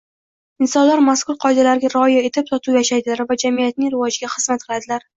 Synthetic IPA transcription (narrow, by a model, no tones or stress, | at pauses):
ɪnsɒnlaɾmaskʊɾqʰɒjd̪alaɾɪɡʲaɾɒjae̞t̪ʰɪp̚sɒt̪ʰuwjaʃajd̪ɪlaɾvad͡ʒamijat̪̚nɪŋɾɪvɒd͡ʒɡʲaχɨz̥mat̪̚qʰɨlad̪ɪlaɾ